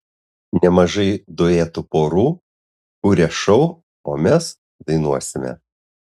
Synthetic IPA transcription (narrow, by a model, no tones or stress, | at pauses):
nʲɛmɐʒɐɪd̪oeːt̪ʊpoːɾuː | ʊɾʲɛʃɐʊ | oːmʲɛs | d̪ɐɪnuɔsʲɪmʲɛ̰